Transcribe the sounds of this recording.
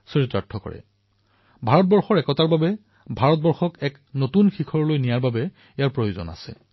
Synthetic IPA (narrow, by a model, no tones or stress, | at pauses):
sɔɹitɹatʰːɔkɔ̰ɹɛ̰ | bʱaɹɔt̚bɔɹxɔɹɛkɔtaɹbabɛ | bʱaɹɔt̚bɔɹxɔkɛk | notunxikʰɔɹlojnijaɹbabɛ | ejaɹpɹojozɔ̰na̰sɛ̰